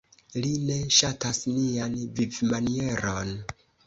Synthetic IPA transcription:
line̞ʃatasnianvivmanie̞ɾon

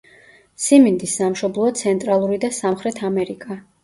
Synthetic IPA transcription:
simind̪isːamʃɔblˠɔt̪sʰɛnt̪ʼɾalˠuɾid̪asamχɾɛt̪ʰamɛɾikʼa

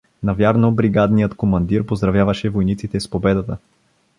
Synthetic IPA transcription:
nɐvʲjaɾnobɾiɡad̪nijət̪komɐnd̪iɾpozd̪ɾɐvjavɐʃɛvojnit̪sit̪ɛspobɛd̪ət̪ə

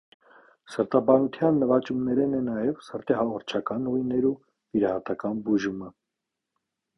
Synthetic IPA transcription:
səɾt̪ɑbɑnut̪ʰjɑnːəvɑt͡ʃumnɛɾɛnɛnɑjɛvsəɾt̪ɛhɑʁɔɾt͡ʃʰɑkɑnujnɛɾu | viɾɑhɑt̪ɑkɑnbuʒumə

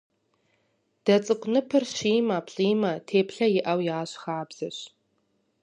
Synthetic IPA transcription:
d̥ɐt͡sʼɨkʷʼnɨpʰɨrʃiːmɐːpʰɬʼiːmɐtʰeːpɬɐjɪʔɐwjaːɕxaːbz̥ɐɕ

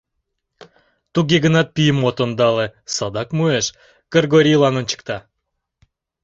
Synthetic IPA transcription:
t̪uɣeɣənɑt̪̚pijəmot̪ond̪ɑlesɑd̪ɑkmueʃ | kərɡoɾʲijlɑnont͡ɕə̥k̚t̪ɑ

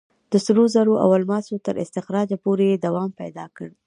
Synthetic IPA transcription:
d̪̥əsɾozaɾoʔa̰walmɑsot̪əɾʔɪ̰st̪ɪxɾɑd͡ʒapoɾeed̪awɑmpajd̪ɑkəɽ

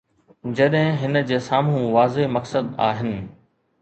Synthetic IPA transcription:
d͡ʑɐɗɦɪ̃ɦɪnəd͡ʑeːsaːmũʋaːzemɐksəd̪a̰ːɦɪnɪ̆

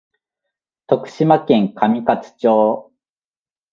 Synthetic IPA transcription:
t̪o̞kɯ̟̥ɕimakẽ̞ŋkʰamʲikat͡sɨ̥t͡ɕoː

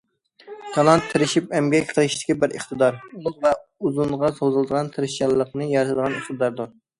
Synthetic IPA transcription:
kʰɑlˠɑnt̪ʰːɪɾɪʃipɛmɡʲɛkʲqʰəlˠɨʃt̪ʰɪ̥kʲʰibɪɾḛχt̪əd̪ɑɾulˠʊzvɛuzuɴʁɑsowzɨlˠd̪əʁɑnt̪ʰeɾɪʃɑlˠːəqnɨjɑɾt̪ʰɨd̪əʁɑnusd̪ɑɾd̪uɾ

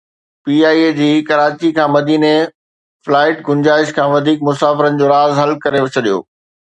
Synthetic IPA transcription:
piːaːied͡ʑiːkɐɾaːt͡ɕikʰãːmɐd̪iːne | flaːɪʈɡʊnd͡ʑaːɪʃkʰãːʋɐd̪ʱiːk̚mʊsaːfɪɾənɪ̆d͡ʑoːɾaːzɦɐlkɐɾeʋet͡ɕʰɐɗijo̰ː

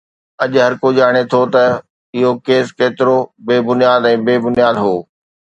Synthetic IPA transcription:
ɐʄɦɐɾkoʄaːɽ̃et̪ʰot̪ɐ | ɪɦokeːskeːt̪ɪɾobeːbʊnijaːd̪ɛ̃ːbeːbʊnjaːd̪ɦoː

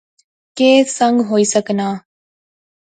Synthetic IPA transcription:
keːsɐŋɡɦoisɐkɐnaː

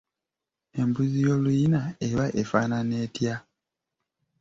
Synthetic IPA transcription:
e̞mbuzijo̞lujinae̞βaʔe̞faːnane̞ːtja

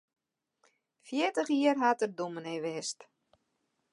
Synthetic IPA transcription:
fjɪətəxiərɦatərdumənɛʋɪst

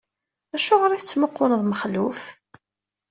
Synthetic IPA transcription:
æʃʊʁɾiθət͡sːməqːoləðˤməχluf

